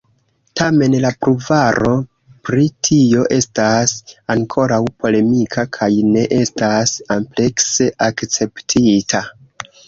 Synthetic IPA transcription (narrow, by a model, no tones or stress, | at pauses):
tame̞nlapɾuvaɾo̞ | pɾitʰio̞ʔe̞stasaŋkʰo̞ɾawpʰo̞le̞mikʰakʰajne̞ʔe̞stasample̞kse̞ʔakt͡se̞ptʰitʰa